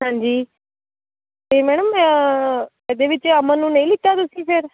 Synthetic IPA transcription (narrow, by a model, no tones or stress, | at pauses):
ɦãːɲd͡ʒiː | t̪eːmɛːɽ̃əmə | ɛːd̪eːʋɪt͡ʃəmənũːnəĩːlɪt̪ːaːt̪ʊsĩːpʰɪɾ